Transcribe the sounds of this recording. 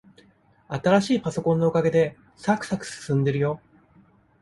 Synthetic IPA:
at̪aɾaɕiːpaso̞kõ̞nːo̞okaɡe̞d̪e̞ | sakɯ̟̥sakɯ̟̥sɨ̥sɨ̃nd̪e̞ɾɯ̟jo̞

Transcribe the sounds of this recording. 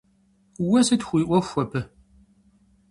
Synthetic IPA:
wɐsɨtxʷiːʔʷɐxʷɐpʰɨ

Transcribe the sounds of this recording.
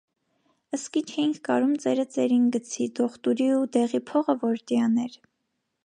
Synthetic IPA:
əskit͡ʃʰɛjiŋkʰɡɑɾumt͡sɛɾət͡sɛɾinɡət͡sʰid̪ɔχt̪uɾiud̪ɛʁipʰɔʁəvɔɾt̪jɑnɛɾ

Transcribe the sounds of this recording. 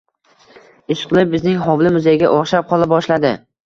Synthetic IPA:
ɪʃqɨlˠɪp̚bɪznɪŋɦɒwlɪmʊzajɪɡʲaʔɒχʃap̚qʰɒlˠabɒʃlad̪ɪ

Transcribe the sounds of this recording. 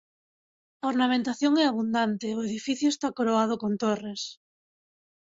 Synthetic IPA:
aoɾnamẽnt̪aθjoŋɛaβ̞und̪ant̪eoeðifiθjoest̪akoɾoað̞okõnt̪ores

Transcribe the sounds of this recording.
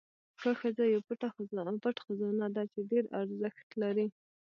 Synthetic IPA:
xəxəzajawpuʈaxazpaʈxazɑnad̪ɑt͡ʃeɖeɾa̰ɾzəxt̪laɾi

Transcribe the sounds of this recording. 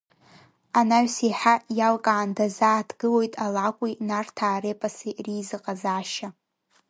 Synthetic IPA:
anaɥsiħajalkʼaːndazaːtʰɡɨlojtʼalakʷʼinartʰaːɾepʼasirizɨqʼazaːʃa

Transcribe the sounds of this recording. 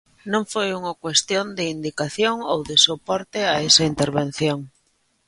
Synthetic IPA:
nõɱfojuŋakwest̪jõnd̪ɪind̪ikaθjoŋowðesopɔɾt̪eaesɐint̪eɾβẽn̟θjoŋ

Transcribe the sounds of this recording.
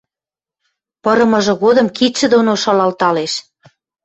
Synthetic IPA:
pɤ̆ɾɤ̆mɤ̆ʒɤ̆ɣod̪ɤ̆mkit̪ʃɘ̆d̪onoʃɑlɑlt̪ɑleʃ

